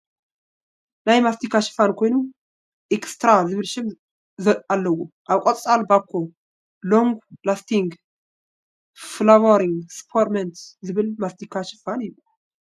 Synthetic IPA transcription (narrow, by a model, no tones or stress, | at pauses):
najmast̪ʰikʰaʃɨ̥fankʰo̞jnum | ʔɛkst̪ɾazɨβɨlʃɨm | zalːɐwuʔaβkʼot̪ʼt͡sʼalbakʰːo | loŋɡlast̪ʰiŋɡ | flawaɾiŋspʰoɾment̪zɨβɨlmast̪ikʰaʃɪfanjɪlːu